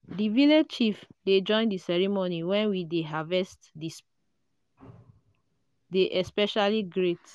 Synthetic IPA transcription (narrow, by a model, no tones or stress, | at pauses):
diviled͡ʒt͡ʃifded͡ʒɔ̃ɪ̃ndisɛɹimoniwɛ̃nwideɦavɛstdis | deʔɛspɛʃaliɡɹet